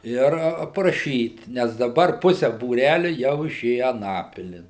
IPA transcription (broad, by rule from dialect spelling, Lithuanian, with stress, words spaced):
ˈɪr ɐprɐˈʃʲiːt nʲɛs dɐˈbɐr ˈpʊsʲɛ buːˈrʲælʲʊ jɛʊ ɪˈʃʲeːjɛ ɐˈnɑːpʲɪlʲɪn